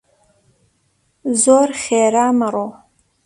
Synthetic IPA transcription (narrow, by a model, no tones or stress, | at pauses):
zoːrχeːɾaːmɐɾoː